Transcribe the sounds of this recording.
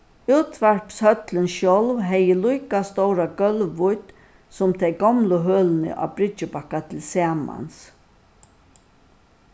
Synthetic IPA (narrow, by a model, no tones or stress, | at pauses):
uːt̪ʰʋæɾpshœt̪lənʃjɔlvɦɛjəlujkast̪ɔwɾaɡœlʋʊjt̪ | sʊmt̪ʰɛjɡɔmlʊɦøːlnə̰ʔa̰bɾɪt͡ʃəbakːat̪ʰɪlsɛːma̰ns